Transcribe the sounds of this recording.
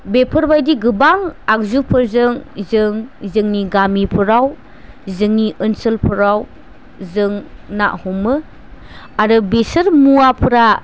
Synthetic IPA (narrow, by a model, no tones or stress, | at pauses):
bepʰɯɾbajdiɡɯbaŋak̚zupʰɯɾzɯŋzɯŋzɯŋniɡamipʰɯɾaw | zɯŋniʔɯnsɯlpʰɯɾaw | zɯŋna̰ʔhumɯ | aɾɯbesɯɾmuapʰɯɾa